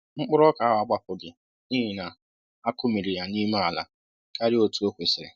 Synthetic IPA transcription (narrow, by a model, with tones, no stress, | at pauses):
ŋ͡m̩˦k͡pʊ˦ɾɔ˦ka˨˦ɦa˨ɡ͡ba˦pʊ˨ɡɪ˨ | ni˦ɦi˨na˨ | a˦kʊ˦mi˨ɾi˨ja˨ni˦ma˦a˨la̰˨ | ka˦ɾɪ˦o˦tu˦o˦kʷe˨sɪ˨ɾɪ̰˨